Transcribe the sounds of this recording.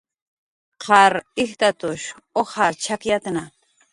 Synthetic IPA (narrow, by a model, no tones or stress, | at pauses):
qʰɑɾɪxt̪at̪ʊʃ | ohaɾt͡ʃʰakjat̪na